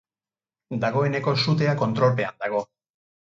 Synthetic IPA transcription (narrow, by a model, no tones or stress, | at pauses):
d̪aɣoe̞ne̞ko̞sut̪e̞ako̞nt̪ɾo̞lpe̞and̪aɣ̞o̞